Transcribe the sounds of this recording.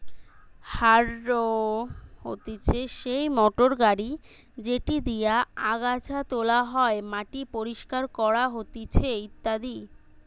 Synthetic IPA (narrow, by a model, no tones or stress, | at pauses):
haɾːo | hot̪et͡ɕʰeʃejmɔʈoɾɡaɾi | d͡ʑeʈid̪ijaaɡad͡ʑʰat̪olaɦɔemaʈipoɾiʃkaɾkɔɾaɦot̪it͡ɕʰeit̪ːad̪i